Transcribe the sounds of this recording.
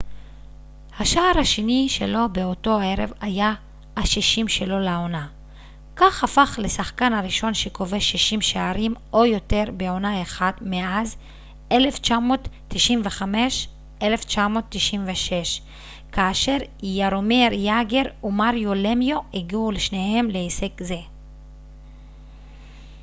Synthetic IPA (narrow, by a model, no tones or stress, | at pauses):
haʃaːʁhaʃeniʃelo̞beo̞to̞e̞ʁḛvaja | haʃiʃimʃe̞lo̞laona | kaχhafaχlesaχkanhaʁiʃo̞nʃeko̞ve̞ʃiʃimʃaaʁimo̞jo̞te̞ʁbeo̞naeχadmeʔaz | e̞left͡ʃamo̞tːiʃimveχame̞ʃ | ʔele̞ft͡ʃamo̞ːt̪ːiʃimveʃe̞ʃ | kaːʃe̞ʁijaɾomeɾjaɡeʁumaʁjolemjoiɡiuleʃnehe̞mleesekze̞